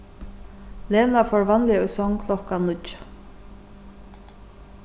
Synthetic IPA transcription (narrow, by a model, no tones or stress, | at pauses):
leːnafɔɹvanlɪɔjsɔŋkʰlɔkanːʊt͡ʃ